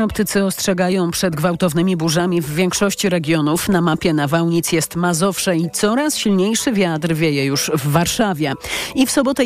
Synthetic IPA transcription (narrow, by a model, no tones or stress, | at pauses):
ɔp̚t̪ɘt̪sɘɔstʂɛɡajɔ̃w̃pʂɛd̪ɡvawt̪ɔvnɘmʲibuʐamʲivːʲjɛŋkʂɔɕt͡ɕiɾɛɡʲjɔnufnamapʲjɛnavawɲit̪sjɛst̪mazɔfʂɛit̪sɔɾasɕilɲejʂɘvʲjat̪ɾvʲjejɛjuʐvːaɾʂavʲjɛifsɔbɔt̪ɛ